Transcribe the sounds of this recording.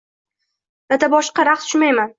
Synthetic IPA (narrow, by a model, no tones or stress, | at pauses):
lat̪abɒʃqɑɾaqsʰʊ̥ʃʊmajman